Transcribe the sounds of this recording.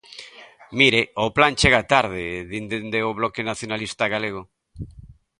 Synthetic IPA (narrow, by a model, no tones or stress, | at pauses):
miɾeoplant͡ʃeɣat̪aɾðeðind̪end̪eoβlɔkenaθjonalist̪aɣaleɣ̞o